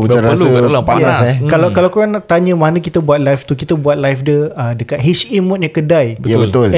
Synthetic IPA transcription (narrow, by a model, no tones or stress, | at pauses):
ud͡ʒaɾaluəlapajaɛkalakalakuɾanat̪aɲə̃manə̃kit̪abuat̪̚lajft̪ukit̪abuat̪̚lajfdiəədəkat̪̚ɦit͡ʃimɔ̃t̪̚jãkədajbəjabət̪ʊl